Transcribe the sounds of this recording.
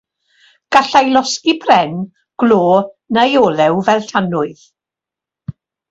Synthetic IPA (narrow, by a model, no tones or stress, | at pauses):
ɡ̥aɬajlˠɔskibʰrɛn | ɡ̥loː | najɔːlɛwvɛlˠtʰanʊɨð